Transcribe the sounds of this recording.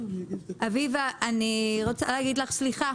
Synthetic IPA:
ʔavivaʔaniʁot͡sa̰laːɡid̪laχsliχa

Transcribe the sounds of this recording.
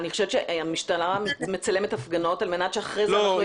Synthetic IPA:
niχo̞ʃevt͡ʃeʔamiʃtanammet͡sale̞metafɡano̞talme̞natʃeaχʁejzo

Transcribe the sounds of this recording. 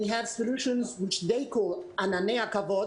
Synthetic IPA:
ɨv̥səluʃɨ̃nzwɪt͡ʃðeɪkʰɔlˠananeakavɔ

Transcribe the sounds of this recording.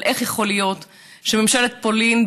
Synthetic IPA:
lʔeχjeχo̞lijot̪ | ʃememʃelet̪̚polin

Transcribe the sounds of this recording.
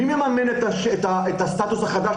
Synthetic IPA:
imjemamenet̪aʃet̪aet̪ast̪at̪usaχad̪a

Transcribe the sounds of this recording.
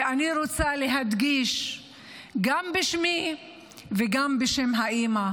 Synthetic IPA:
aniɾot͡saleɦad̪ɡiʃ | ɡambeʃmi | veɡambeʃemɦaʔima

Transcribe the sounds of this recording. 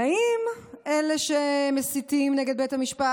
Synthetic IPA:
aimʔeleʃemesit̪imneɡed̪̚bejthamiʃpa

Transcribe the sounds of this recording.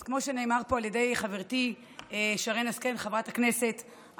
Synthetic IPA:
kmo̞ʃene̞ːmaʁpo̞aljede̞jχaveʁti | eʃaʁenaskenχavʁatakne̞se̞t

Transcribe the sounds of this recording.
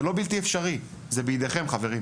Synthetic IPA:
lo̞bilt̪iefʃaʁi | zebejd̪eχe̞mχave̞ʁim

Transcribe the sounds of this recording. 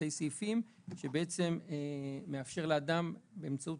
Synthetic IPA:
ejsiifim | ʃe̞beet͡se̞meːeafʃe̞ʁlead̪ambeːmt͡saut

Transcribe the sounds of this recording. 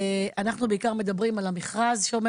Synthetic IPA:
anaχnubeikaʁme̞d̪abʁimalamiχʁazʃeome

